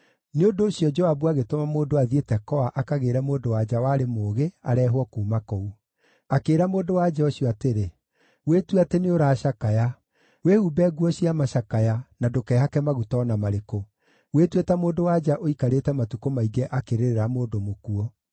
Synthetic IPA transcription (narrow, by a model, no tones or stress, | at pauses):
neondoːɕjɔd͡ʒɔabuaɣetomamoːdoaðietɛkɔaʔakaɣeːɾɛmoːdowad͡ʒawaːɾemoːɣeaɾɛːɦwɔkuːmakɔu | akeːɾamoːdowad͡ʒɛɔɕiɔateɾe | wetweateneoɾaːʃakaja | wehubɛɡuɔɕiamaʃakajanadokɛːhakɛmaɣutɔnamaɾeko | wetwetɛmoːndowad͡ʒaʔoikaɾetɛmatukomaiɡɛʔakeɾeɾeɾamoːdomokuɔ